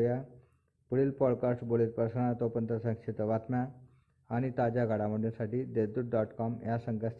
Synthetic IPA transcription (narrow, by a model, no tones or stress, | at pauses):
ja | pəɽiːlpɔɽkasʈboleːt̪̚pəɾsəɳ̃at̪opənt̪əsə̃kʂet̪əʋat̪mja | aɽ̃it̪ad͡ʑaɡʱaɽaməʈunsaʈiːd̪ed̪uʈ̚ɖɔʈkɔmjasəŋɡəs